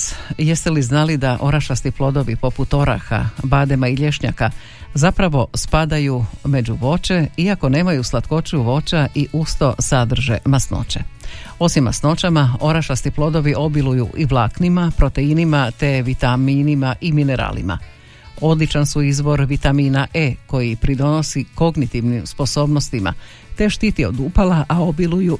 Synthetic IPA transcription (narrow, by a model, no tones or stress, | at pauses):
je̞st̪eliznalid̪aʔo̞ɾaʃasniplˠo̞d̪o̞ʋipo̞put̪o̞ɾa̰xa̰baːd̪e̞maiʎe̞ʃɲa̰ka | zapɾaʋo̞spad̪ajume̞d͡ʑuʋo̞t͡ʃe̞iako̞ne̞ːmajuslˠat̪ko̞t͡ʃuʋo̞t͡ʃaʔiʔust̪o̞sad̪r̩ʒe̞̰masno̞̰t͡ɕe̞o̞simːa̰sno̞t͡ʃamao̞ɾaʃast̪iplˠo̞d̪o̞ʋiʔo̞bilujṵʔiʋlˠaknimapɾo̞t̪e̞inimat̪e̞ʋit̪amiːnimaʔimine̞ɾa̰ːlḭma̰ | o̞d̪lit͡ʃansuizʋo̞ɾʋit̪amiːnaʔeko̞jipɾid̪o̞no̞siko̞ɡnit̪iʋnimspo̞so̞ːbno̞st̪ima̰ | t̪e̞ʃt̪it̪io̞̰d̪uːpalaʔao̞biluju